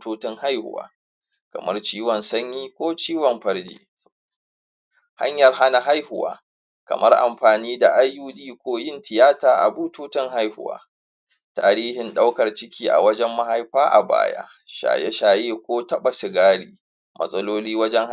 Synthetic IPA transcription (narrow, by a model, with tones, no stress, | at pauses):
toː˦tɪ˦ŋha˦jhʊ̰˨wa̰ː˨˦ | kɐ̰˨mɐ˦rt͡ʃiː˦wɔ˨nsɐ˦ɲjiː˦kʷoː˦t͡ʃiː˦wɔ˨mɸɐ˦ɽd͡ʒḭː˦ | ha̰˦ɲjɐ˨rɦa˦na˨ɦa˦jhʊ˨wa̰ː˦ | kɐ̰˨mɐ˦rʔa̰˨mɸaː˨niː˦da˨ʔa˦jːuː˦ɗiː˦kʷoː˦jɪ˦ntʰɪ˨jaː˦taː˨ʔa̰˨buː˦toː˦tɪ˦ŋɦa˦jhʊ˨wa̰ː˦ | taː˨ɾiː˦hɪ˨nɗa˦wkɐ˨rt͡ʃɪ˦kʲiː˨ʔa̰˨wɐ˦d͡ʒɛ˦mːɐ˦ha˦jɸaː˦ʔa̰˨ba̰ː˦ja̰ː˦ | ʃa̰ː˨je˦ʃaː˨jeː˦kʷoː˦tɐ˦ɓa˨sɪ˨ɡaː˦ɽiː˨ | mʔɐ̰˦sʼɐ˦loː˦liː˦wɐ˦d͡ʒɛ˦ŋ